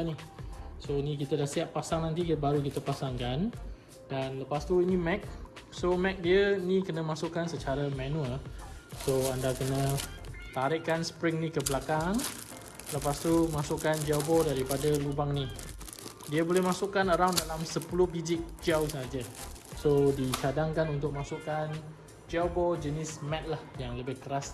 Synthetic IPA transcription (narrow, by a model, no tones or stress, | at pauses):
nisoinĩk̬it̪ədahsiaʔ̪̚pasaŋnãnt̪ikbaɾukit̪əpasaŋkan | danləpast̪uinimɛk̚somɛk̚diəinĩkənəmasʊkːansət͡ʃaɾəmãnũəlsoandakənət̪aɾɪʔkansə̥pɾɪŋnikəbəlakaŋ | ləpast̪umasʊʔkand͡ʒawbɔdaɾipadalubaŋni | diəbolɛhmasuʔkːanəɾawndalamsəpulʊhbid͡ʒɪʔ̚d͡ʒawsəɦad͡ʒəsodit͡ʃadaŋkanunt̪ʊk̚masuʔkan | d͡ʒawbɔd͡ʒənɪsmɛt̪̚lahjaŋləbɪhkəɾas